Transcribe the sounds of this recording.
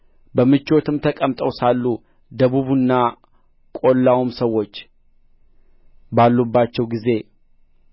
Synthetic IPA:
bəmɨt͡ʃːo̞t̪ʰɨmt̪ʰəkʼəmt̪ʼəwsalːu | d̪əβuβunːa | kʼo̞lːawumsəwːo̞t͡ʃː | balːubːat͡ʃːɛwɡize̞

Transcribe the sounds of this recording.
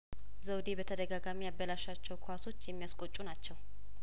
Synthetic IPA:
zəwd̪ebət̪ʰəd̪əɡaɡamijabːəlaʃat͡ʃːɛwkʰoaso̞t͡ʃːjɛmːijaskʼot͡ʃʼːunat͡ʃːɛw

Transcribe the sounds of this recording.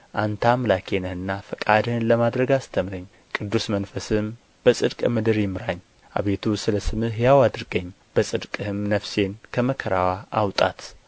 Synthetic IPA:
ʔant̪ʰamlakʰenəhɨnːafɨkʼad̪hɨnləmad̪ɾəɡast̪ʰəmɾəɲː | kʼɨd̪ːusmənfəsɨm | b̥əsʼɨd̪kʼmɨd̪ɨɾjɪmɨɾaɲː | ʔa̰βe̞t̪ʰusɨləsɨmɨɦɨjawad̪ɨɾɡəɲː | b̥əsʼɨd̪kʼɨhɨmnəfse̞nkʰəməkʰəɾawaʔawt̪ʼa̰t̪

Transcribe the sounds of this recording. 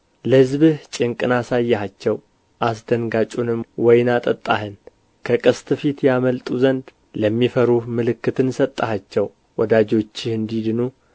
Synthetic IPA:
ləhɨzβɨht͡ʃʼɪŋkʼɨnasajːɛhat͡ʃːɛw | ʔasd̪ənɡat͡ʃʼunɨmwɔjnat̪ʼət̪ʼːa̰hɨn | kʰəkʼɨst̪ʼɨfit̪jaməlt̪ʼuzənd̪ | ləmːifəɾumɨlɨkːɨt̪ʰɨnsət̪ʼːahat͡ʃːɛw | wɔd̪ad͡ʒo̞t͡ʃːɪhɨnd̪id̪ɨnu

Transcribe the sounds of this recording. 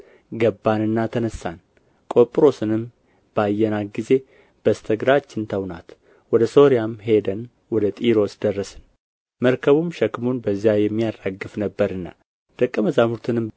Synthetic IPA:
ɡəbːanɨnːat̪ʰənəsːan | kʼo̞pʼɾo̞sɨnɨm | b̥ajːɛnaɡize̞ | b̥əst̪ʰəɡɾat͡ʃːɪnt̪ʰəwnat̪ | wɔd̪əso̞ɾijamhe̞d̪ən | wɔd̪ət̪ʼiɾo̞sd̪ərːəsɨn | məɾkʰəβumʃɛkmonbəzːjajɛmːijadaɡːɨfnəbːəɾɨnːa̰ | d̪̥əkʼːəməzamuɾt̪ʰɨnɨm

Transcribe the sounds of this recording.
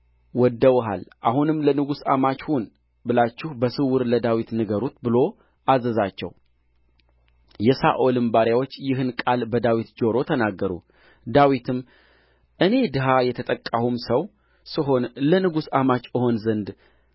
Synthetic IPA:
wɔd̪ːəwɦa̰lʔa̰hunɨmːlənɨɡusa̰mat͡ʃhun | bɨlat͡ʃːɪhbəsɨwɨɾləd̪awit̪nɨɡəɾut̪bɨlo̞ | ʔazəzat͡ʃːɛ̰w | jɛsa̰ʔolɨmbaɾjawo̞t͡ʃːjɪɦɨnkʼalbəd̪awit̪d͡ʒo̞ɾo̞t̪ʰənaɡːəɾṵ | d̪awit̪ʰɨm | ʔɨne̞d̪ɨɦajɛt̪ʰət̪ʼəkʼːahumsəw | sɨɦonlənɨɡusamat͡ʃʼɨho̞nzənd̪

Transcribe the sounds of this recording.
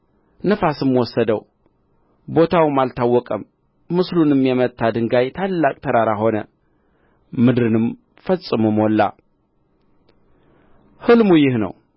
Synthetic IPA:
nəfasɨmwɔsːəd̪əw | bo̞t̪ʰawmalt̪ʰawːɔkʼəmː | ɨslunɨmjɛmət̪ʰːad̪ɨŋɡajt̪ʰalːakʼt̪ʰəɾaɾaɦo̞nə̰ | mɨd̪ɾɨnɨm | fəsʼɨmumwɔlːa̰ | hɨlmujɪhnə̰w

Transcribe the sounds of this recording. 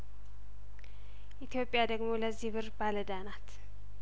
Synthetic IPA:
ʔit̪ʰijo̞pʼjad̪əɡmo̞ləziβɨɾbaləd̪anat̪

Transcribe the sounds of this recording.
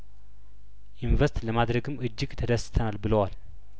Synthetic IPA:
junvəɾst̪ləmad̪ɾəɡɨmɨd͡ʒːɪɡt̪ʰəd̪əst̪ʰənalbɨləwal

